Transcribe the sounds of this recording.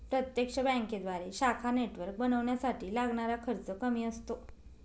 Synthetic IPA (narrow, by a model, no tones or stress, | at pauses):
pɾət̪jekʂəbɛ̃ŋked̪ʋaɾeɕakʰaneʈʋəɾk̚bənəʋɳjasaʈiːlaɡɳaɾakʰəɾt͡səkəmiːəst̪o